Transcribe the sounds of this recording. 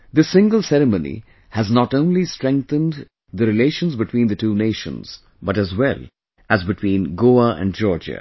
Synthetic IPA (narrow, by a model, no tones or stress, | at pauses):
d̪ɪsɪ̃ŋɡəlˠsɛɾəmõnḭ | hæznɑʈõʊ̃nlistɹɾɛ̃ŋk̚θə̃nd | d̪əɾɨleːʃə̃nzbɨʈʰwĩːnd̪əʈuːneɪʃə̰̃nz̥ | bʌʈæzwɛlˠ | æzbɨʈʰwĩːnɡoːəʔæ̰̃nɖd͡ʒɔːɹd͡ʒə̰